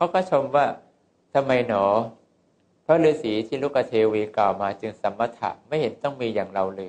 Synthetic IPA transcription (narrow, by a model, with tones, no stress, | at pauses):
kʰa˦˥wkʰɔː˥˩t͡ɕʰo˧mwaː˥˩ | t̪ʰa˧mːa˧jnɔː˩˦ | pʰɾɔ˦˥lɯː˧siː˩˦t̪ʰiː˥˩˨luː˦˥˩ka˧t̪ʰeː˧wiː˧klaː˨˩wmaː˧t͡ɕɯ˧ŋsa˩˦mːa˧t̪ʰa̰˧˩ʔma˥˩jhe˩˦nt̪ɔ˥˩ŋmiː˧jaː˨˩ŋɾa˧wlɤː˧j